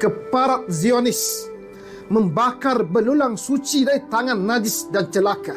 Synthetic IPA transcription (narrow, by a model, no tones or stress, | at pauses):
kəpaɾat̪̚ziɔnɪs | məmbakarbəlulaŋsut͡ʃidaɾit̪aŋãnːadɪsdant͡ʃəlaka